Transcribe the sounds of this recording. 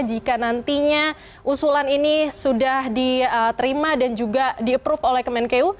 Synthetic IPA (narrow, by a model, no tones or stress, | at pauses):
d͡ʒikanant̪iɲa | ʔusulaninisudahdiət̪əɾimadand͡ʒuɡadiəpɾufolɛhkəmɛnkeu